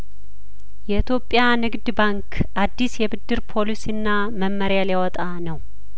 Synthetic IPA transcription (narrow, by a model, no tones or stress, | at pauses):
jɛɨt̪ʰjo̞pʼːjanɨɡd̪baŋkʰ | ʔad̪ːisjɛbɨd̪ːɨɾpʰo̞lisiɨnːa | məmːəɾjaljawɔt̪ʼanəw